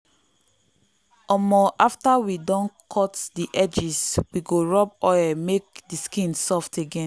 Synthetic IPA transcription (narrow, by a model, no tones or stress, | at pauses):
ɔmɔʔaftawidɔ̃nkʰɔtdiʔɛd͡ʒiswiɡoɹɔpɔɛmek̚diskĩnsɔftʰeɡẽn